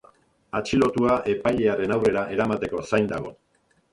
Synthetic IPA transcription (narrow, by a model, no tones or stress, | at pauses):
at͡ʃilo̞t̪uaʔe̞pajʎe̞aɾe̞nawre̞ɾaʔe̞ɾamat̪e̞ko̞sajnd̪aɣ̞o̞̰